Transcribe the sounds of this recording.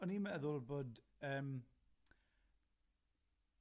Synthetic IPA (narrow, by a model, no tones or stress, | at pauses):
ɔnimɛðʊlˠboːd | əːm